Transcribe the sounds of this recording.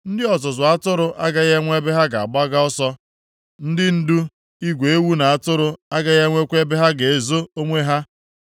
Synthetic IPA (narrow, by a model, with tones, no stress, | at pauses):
n̩˦dɪ˦ɔ˨tʊ˨zʊ˨a˦tʊ˦ɾʊ˦ʔa̰˦ɡa˦ɣe˦ŋʷ˦e˦be˦ɦa˦ɡa˨a˨ɡ͡ba˦ɡa˦ɔ˦sɔ˦ | n̩˦dɪ˦n̩˦du˦ | i˦ɡʷe˨e˦wu˦na˨a˨tʊ˦ɾʊ˦a˦ɡa˦ɣe˦ŋʷe˦kʷe˦be˦ɦa˦ɡe˨e˨zo˦o˦ŋʷe˦ɦa˦